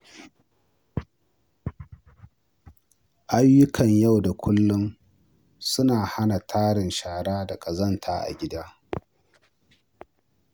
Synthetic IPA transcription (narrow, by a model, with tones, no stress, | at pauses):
ʔa˦jːʊ˦kʰɐ˨ɲja˦˨wda˨kʷʊ˦lːʊ˦m | sʊ˦naː˨ha˦na˨tʰaː˦ɽɪ˨nʃaː˨ɽaː˦da˨kʼɐ˨zɐ˦ntʰa̰ː˦ʔa̰˨ɡʲɪ˦daː˦